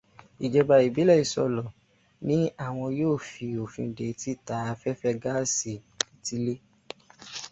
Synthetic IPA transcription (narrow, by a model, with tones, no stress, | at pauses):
i˨d͡ʒɛ˧ba˧i˨bi˨˦lɛ˦˨i˨sɔ˧lɔ˨ | nĩ˦a˦˨w̃ɔ̃˧joː˦˨fi˧o˨fĩ˧˨de˨˦ti˦˨ta˧a˧fɛ˦fɛ˦ɡa˦si˧˨ | i˨ti˦le˦